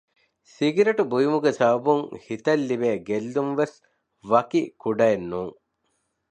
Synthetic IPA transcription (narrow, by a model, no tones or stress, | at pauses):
siɡiɾɐʈubujumuɡesaːɐbuŋhit̪ɐlːibeːɡelːumʋes | ʋɐkikuɖɐjenːuːŋ